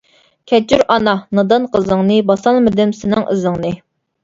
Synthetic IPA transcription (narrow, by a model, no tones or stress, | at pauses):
kʲʰɛt͡ʃʰyɾɑnɑnɨd̪ɨnqʰəzɨŋnɨbɑsɑlˠmɪd̪ɪmsɪnɪŋʔɨ̰zɨŋnɨ